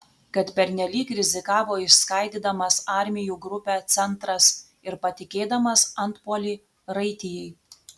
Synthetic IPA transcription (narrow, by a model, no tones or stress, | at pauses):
kɐt̪pʲɛɾʲnʲɛlʲiːkɾʲɪzʲɪkɑːʋoːɪʃskɐˑɪd̪ʲiːd̪ɐmɐsɑˑɾʲmʲɪjuːɡɾʊpʲæt̪sʲɛnˑt̪ɾɐs | ɪɾpɐt̪ʲɪkʲeːd̪ɐmɐsɐnˑt̪poːlʲiː | ɾɐɪt̪ʲɪjɛɪ